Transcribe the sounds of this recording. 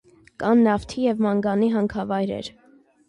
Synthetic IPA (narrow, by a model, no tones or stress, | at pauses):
kɑnːɑft̪ʰijɛvmɑŋɡɑniɦɑŋkʰɑvɑjɾɛ̰ɾ